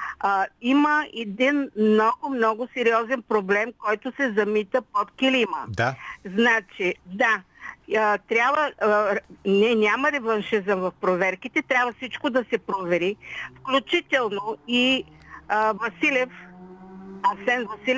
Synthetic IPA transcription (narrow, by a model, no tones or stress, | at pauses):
iməʔɛd̪inmnɔɡʊmnɔɡʊsɛɾiɔzɛnpɾoblɛmkɔjt̪ʊsɛzɐmit̪əpot̪kilimə̰d̪znat͡ʃid̪aət̪ɾʲjabvə | nɛnʲaməɾɛvɐnʃizəmvɐfpɾovɛɾkit̪ɛt̪ɾʲabvəfsit͡ʃkod̪ɐsɛpɾovɛɾifklʲut͡ʃit̪ɛlˠnoi | vɐsilʲɛf | ɐsɛnvɐsilɛ